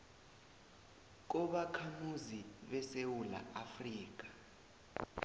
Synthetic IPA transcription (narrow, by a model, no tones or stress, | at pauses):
k̬ɔɓakʰamuziɓɛsewula̰afriːk̬ḁ